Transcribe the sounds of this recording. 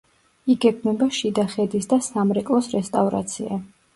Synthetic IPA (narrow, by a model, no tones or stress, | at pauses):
iɡɛkʰmɛbaʃid̪aχɛd̪isd̪asamɾɛkʼlˠɔsɾɛst̪ʼavɾa̰t̪sʰia